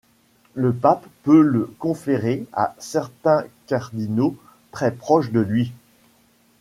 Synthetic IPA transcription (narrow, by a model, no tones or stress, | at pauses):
ləpapːøləkɔ̃feʁea̰sɛʁt̪ɛ̃kʲaʁd̪ino | t̪χɛpχɔʃd̪əlɥi